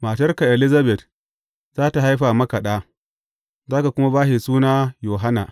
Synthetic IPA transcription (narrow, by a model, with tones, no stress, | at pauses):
maː˨tɐ˦rka˨ʔɛ˨li˦za˦bɛ˨t | z̥aː˦ta˨ɦa˦jɸaː˨mɐ˦ka˨ɗaː˦ | zaː˦ka˨kʷʊ˦ma˦baː˦ɦi˨suː˦naː˦joː˨ɦa˦na˨